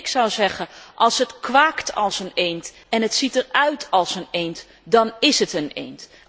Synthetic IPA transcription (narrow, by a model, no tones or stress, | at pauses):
ksɑwzɛχəʔɑlˠsɦətkʋaːktʰɑ̰lˠsənejnt | ɛnətsitərœɥtʰɑlˠsənejnt | dɑnɪsətənḛjnt